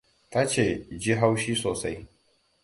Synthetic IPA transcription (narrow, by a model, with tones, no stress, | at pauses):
ta˦t͡ʃeː˦˨d͡ʒi˦ɦa˦wʃiː˦soː˨sa˦j